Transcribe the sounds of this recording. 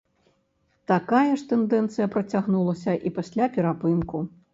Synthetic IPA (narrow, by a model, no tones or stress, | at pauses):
t̪akajɛʂt̪ɛnd̪ɛnt̪sɨjɐpɾɐt͡sʲaɣnulˠɐsʲɐʔipasʲlʲapʲɛɾapɨnku